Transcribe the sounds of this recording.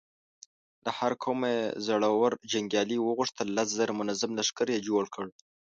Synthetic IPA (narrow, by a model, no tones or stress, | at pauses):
lahaɾkʰomezaɽawaɾd͡ʒaŋɡʲjɑliwəɣʊʂt̪əlːas̬zaɾamʊnazamlaʂkaɾjed͡ʒoɽkʰəɽ